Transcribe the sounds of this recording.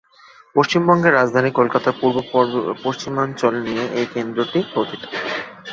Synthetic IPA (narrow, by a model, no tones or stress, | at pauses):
poʃt͡ɕimbɔŋɡeɾːad͡ʑd̪ʱanikolkat̪aɾpuɾbopoʃt͡ɕimɔnt͡ɕolnijeʔejkend̪ɾoʈikot̪it̪o̥